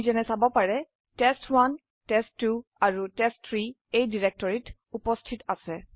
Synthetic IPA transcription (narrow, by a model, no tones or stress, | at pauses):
zɔnɛsabɔpaɹɛ | tɛstʰwan | tɛstːuaɹutɛstʰːɹi | ejdiɹɛk̚tɔɹit | upɔstʰitasɛ